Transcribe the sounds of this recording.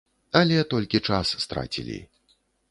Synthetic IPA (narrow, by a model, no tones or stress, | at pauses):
ɐlʲɛt̪ɔlʲkʲit͡ʂasːt̪ɾa̰t͡sʲḭlʲḭ